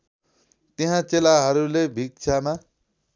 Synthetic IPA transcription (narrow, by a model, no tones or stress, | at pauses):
t̪eɦãt͡selaɦʌɾulebʱik̚t͡sʰama